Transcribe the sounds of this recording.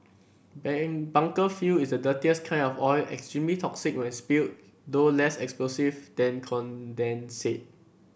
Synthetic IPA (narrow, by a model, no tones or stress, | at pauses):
bãŋkəfuisdədətiəskʰãɪ̃nɔfɔɪlɛ̰kstɹĩmlitʰɔksik̚wɛ̃nspilt̚ | dolɛsɛksplosivdɛ̃nkʰɔ̃ndɛ̃nset̚